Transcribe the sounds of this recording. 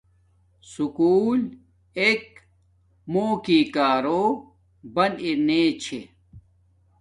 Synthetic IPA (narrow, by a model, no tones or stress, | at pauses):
sukuːl | ek̚ | moːkiːkaːɾoː | bɐneneːt͡ɕʰe